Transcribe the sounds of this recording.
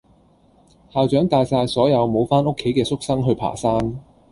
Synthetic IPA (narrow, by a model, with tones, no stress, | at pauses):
haː˨˧wt͡ʃœː˨˥ŋt̪aː˧jsaː˧jsɔː˨˥jɐ˨˧wmo˨˧wfaː˥nʊ˥kʰːe˨˥jkɛː˧sʊ˥k̚sɐ˥ŋɦɵ˧ɥpʰa̰ː˨˩saː˥n